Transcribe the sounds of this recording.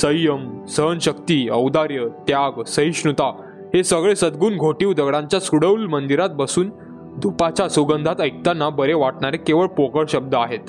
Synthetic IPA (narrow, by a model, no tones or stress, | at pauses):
səjəmsəɦənɕəkt̪iːəwd̪aɾjət̪jaɡsəɦiɕɳut̪a | ɦesəɡɭesəd̪ɡuːnɡʱoʈiːʋd̪əɡɽãɲt͡ɕjasuɽəwlmənd̪iɾat̪̚bəsuːn | d̪ʱupat͡ɕasuɡənd̪ʱat̪əjk̚t̪anːabəɾeʋaʈɳaɾekeʋəɭpokəɭɕəb̚d̪ʱəaɦet̪